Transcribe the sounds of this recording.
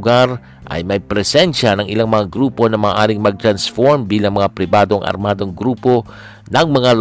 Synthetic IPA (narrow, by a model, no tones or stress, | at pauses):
ɡaɾ | ʔɐ̰jmɐjpɾɛsɛnʃɐnɐŋʔɪlaŋmɐŋaɡɾuːpo̞nɐmaːʔaːɾɪŋmɐɡ̚t̪ɾɐnsfoɹmbiːlɐŋmɐŋapɾɪbaːd̪o̞ŋʔɐ̰ɾmaːd̪o̞ŋɡɾuːpo̞ | nɐŋmɐŋal